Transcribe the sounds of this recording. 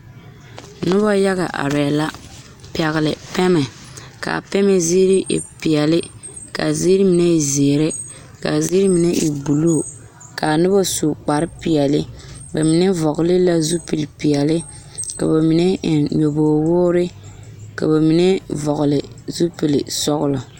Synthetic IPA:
nʊ˦bɔ˦ja˦ɣa˨ʔa̰˨ɾɛ˨la˦ | pɛ˨ɣɪ˨lɪ˨pɛ˦mɛ˨ | ka̰˨pɛ˦mɛ˦zi˦ɾi˦ʔḭ˨pi˨ɛ˨lɪ˦ | ka̰˨zi˦ɾi˦mi˨nɛ˦i˨zeː˨ɾɛ˦ | ka˨zi˦ɾi˦mi˨nɛ˦ʔḭ˨bu˨lu˦˨ | ka˨nɨ˦bɔ˦su˨k͡pa˨ɾɪ˦pi˨ɛ˨lɪ˦ba˨mi˨nɛ˦vɔ˨ɣʊ˨lɪ˦la˦zu˦pɨ˨lpi˨ɛ˨lɪ˦ | ka̰˨ba˨mi˨nɛ˦˨ɲo˨boː˨woː˦ɾɪ˦ka̰˨ba˨mi˨nɛ˦vɔ˨ɣʊ˨lɪ˨zu˦pi˨lḭ˨sɔ˦ɣʊ˦lɔ˨

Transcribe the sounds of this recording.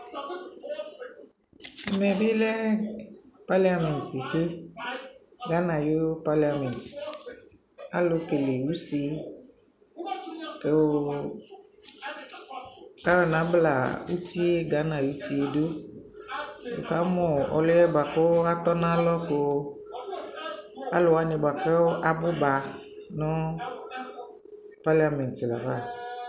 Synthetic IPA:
mɛ˨bi˦lɛ˦ | pa˦li˦a˨˦mɛ̃˨n˨ti˨kɪ˦ | ɡa˨˦nã˨jo˦pa˦li˨a˨mɛ̃˨nt | a̰˦lʊ˧ke˨le˨u˦si˧ | ke˨ | ka˦ɾɔ˨nã˨˦bla̰˨u˦ti˦e˦ɡa˨˦nã˨u˦ti˦e˦do˦ | wo̰˨ka˨˦mʊ̃˨ɔ̰˨lʊ˦jɛ˦ba˨kʊ˦a˦t̪ɔ˦nã˦lɔ˦ko˨ | a̰˦lʊ˨wa˦nɪ̃˨ba˨kɛ˦wo˦ʔa˨bʊ˦ba˨ | nʊ̃˦ | pa˦la˨mɛ̃˨ntla̰˨va˦˨

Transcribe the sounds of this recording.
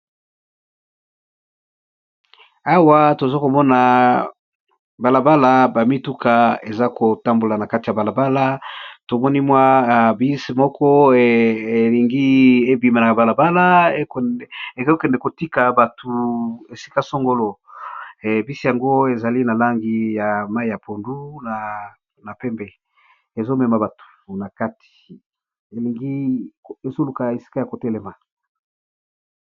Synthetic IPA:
a˦wa˦to˨zo˦ko˨mɔ˦na˨ | ba˨la˨ba˦la˨ba˨mi˦tu˦kʰa˨e˨za˦ko˨ta˦mbo˨la˨na˨ka˦ti˨ja˨ba˨la˨ba˦la˦to˨mɔ˦ni˦mwa˦˨bi˦si˨mɔ˦kʰɔ˦e˨e˨li˨ŋɡi˦e˦bi˨ma˨na˨ba˨la˨ba˦la˦e˦˨e˨ko˦kɛ˨ndɛ˨ko˨ti˦ka˨ba˨tʰu˨e˨si̥˦ka˦so˦ŋɡo˦lo˦˨ | bi˦si˦ja˨ŋɡo˦e˨za˨li˦na˨la˦ŋɡi˦ja˨ma˦i˨ja˨pʰo˨ndu˦na˨ | na˨pɛ˦mbɛ˨ | e˨zo˦mɛ˨ma˦ba˨tu̥˨na˨ka˦ti̥˨ | e˨li˨ŋɡi˦e˨zo˦lu˨ka˨e˨si̥˦ka˦ja˨ko˨tɛ˦lɛ˨ma˨

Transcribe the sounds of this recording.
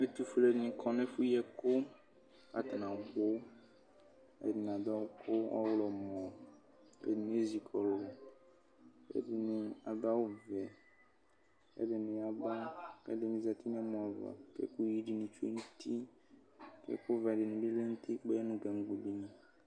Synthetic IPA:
e˦t̪u˦fle˦dnĩ˨kʰɔ˦nẽ˦fu˦jɛ˦ko˦ | a̰˨t̪a˨nã˨ɡ͡bo˦ | ḛ˨di˨n˨a˨da˦wo˦kʰo˦wɔ̰˦wlɔ˨mɔ̃˨ | ḛ˨dĩ˨n˨˦e˦zi˨kʰɔ˨lɔ˨ | ḛ˦dɪ˨nĩ˨a˨ba˦wo˦vɛ˨ | ḛ˦ɖɪ˨nĩ˨a˨ba˦kɛ̰˦dɪ˨nĩ˨˦za˨t̪i˦ñ˦a˦mɔ̃˨a˨va̰˨kḛ˦ku˦ji˦ɖi˨nĩ˨t͡ʃu˦ḛ˦ŋũ˦t̪ʰi˦ | kḛ˦ku˦vɛ˨dɪ˨nĩ˨bi˦le˦ŋu˦t̪i˦k͡pe˦nũ˦ɡɛ˨ŋ˦ɡ͡bu˨bi˦nĩ˨

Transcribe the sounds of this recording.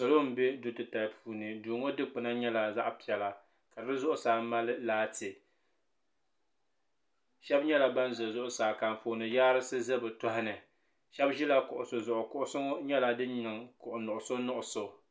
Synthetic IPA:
so˨lo˦m̩˦be˦dʊ˨tɨ˨ta˨pʰuː˨nɨ˨duː˨ŋo˦dɨ˦k͡pɨ˨na˦ɲɛ˦la˨za˦ʔpi˨ɛ˨la˨ | ka˨ɨ˨bɨ˦zʊ˦ʔʊ˦saː˨ma˦lɨ˦laː˦tɨ˨ | ʃɛ˦bɲɛ˦la˨ba˦n˦zʊ˨zʊ˦ʔʊ˦saː˨ka˨m˨foː˨nɨ˨jaː˦ɾɨ˦sɨ˦zɨ˦bɨ˨tɔ˦hɪ˦nɨ˨ | ʃɛ˦bʒi˦la˦kʊ˨ʔʊ˨so˨zʊ˨ʔʊ˨kʊ˦ʔʊ˦sʊ˦ŋo˦ɲɛ˦la˨dɨ˦ɲɨ˨ŋkʊ˨ʔʊ˨nʊ˨ʔʊ˨so˦nʊ˦ʔʊ˨so˨

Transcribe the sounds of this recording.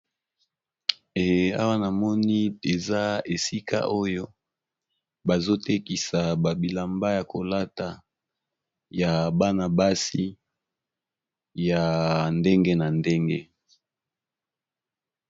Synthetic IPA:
e˨a̰˦wa˦na˨mɔ˦ni˦e˨za˦e˨si˦ka̰˦ʔo˦jo˦ | ba˨zo˦te˦ki˨sa˨ba˨bi˨la˨mba˦ja˨ko˨la˦ta˨ | ja˨ba˦na˨ba˦si˦ | ja˨nde˦ŋɡe˦na˨nde˦ŋɡe˦

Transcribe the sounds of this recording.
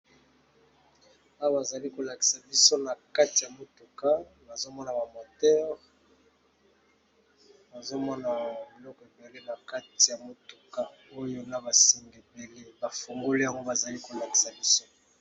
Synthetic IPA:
a˦wa˨za˨li˦ko˨la˨ki̥˨sa˨bi˦so˦na˨ka˦ti˨ja˨mo˨tu˨ka˦ | ba˨zo˦mɔ˦na˨ba˨mo˨tɛ˦ʁ | ba˨zo˦mɔ˦na˨bi˨lɔ˦kɔ˨e˨be˨le˦ba˨ka˦ti˨ja˨mo˨tu̥˨ka˦o˦jo˦na˦ba˨si˦ŋɡe˨be˨le˦ba˨fo˨ŋɡo˦le˦ja˨ŋɡo˦ba˨za˨li˦ko˨la˨ki̥˨sa˨bi˦so˦

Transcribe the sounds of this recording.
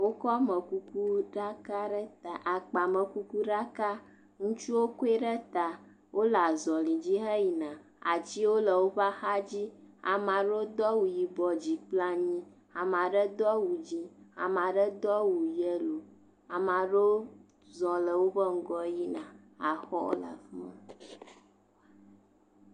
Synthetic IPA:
wo˦kɔ˦mə̃˨ku˦ku˦ɖa˦ka˦ɖə˦t̪a˨ʔa˨k͡pa˨mə̃˨ku˦ku˦ɖa˦ka˦ | ŋũ˦t͡ʃu˦wo˦ku˦e˦ɖə˦t̪a˨ | wʔo˦la˨zɔ˨lĩ˨d͡ʑi˦ɦə˦ji˨nã˨ | a˨d͡ʑi˦wo˦lə˨wo˦ɸa˦xa˦d͡ʑi˦a̰˨mã˨ɖo˦d̪ɔ˦wu˨ji˨bɔ˨d͡ʑi˨k͡pla˦ɲĩ˦ | a˨mã˨ɖə˦d̪ɔ˦wu˨d͡ʑi˦a̰˨mã˨ɖə˦d̪ɔ˦wu˨jə˦lo˨ | a˨mã˨ɖo˦ | zɔ̃˨lə˨wo˦ɸə˦ŋ̩˦ɡɔ˦ji˦nã˨ | a˨xɔ̰˦o̰˦la̰˨fə̃˦

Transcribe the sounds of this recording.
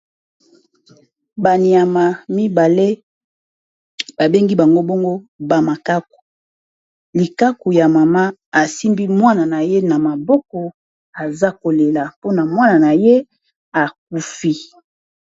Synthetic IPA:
ba˨ni˨a˨ma˨mi˦ba˨le˦ | ba˨be˦ŋɡi˦ba˨ŋɡo˦bo˦ŋɡo˦ba˨ma˨ka˦k̚u̥˨ | li˨ka˦ku˨ja˨ma˨ma˦a˨si˦mbi˦mwa˦na˨na˨je˦na˨ma˨bɔ˦kɔ˨ | a˨za˦ko˨le˨la˨po˦na˨mwa˦na˨na˨je˦ | a˨k̚u˦fi˦

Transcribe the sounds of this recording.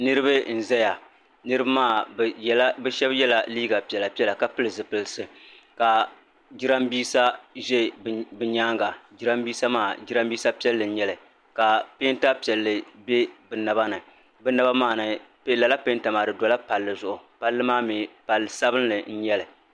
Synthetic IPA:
nɨ˦ɾɨ˦bɨ˦n̩˨zɛ˦ja˨ | nɨ˦ɾɨ˦ba˦maː˦˨˦ | bɛ˦ʃɛ˦bjɛ˦la˨liː˦ɡa˨pi˨ɛ˨la˨pi˦ɛ˦la˨ka˨pɨ˦lɨ˨zɨ˨pɨ˨lsɨ˨ | ka˨ | d͡ʒɪ˦ɾa˦mbiː˦sa˦ʒɛ˦bɨ˨ɲaː˦ŋɡa˨d͡ʒɪ˦ɾa˦mbiː˦sa˦maː˦˨d͡ʒɪ˦ɾa˦mbiː˦sa˦pi˦ɛ˦lːɨ˨n̩˦ɲɛ˦lɨ˨ | ka˨pe˦n˦ta˦pi˨ɛ˨lːɨ˨be˦bɨ˨na˨ba˦nɨ˨ | bɨ˦na˦ba˦maː˦˨nɨ˨ | pe˦la˨la˦pe˦nta˨maː˨dɨ˨dɔ˨la˦pa˨lːɨ˨zʊ˨ʔʊ˨pa˦lːɨ˦maː˦mi˨pa˨lːɨ˨sa˦bɨ˦n˦lɨ˨n̩˦ɲɛ˦lɨ˨

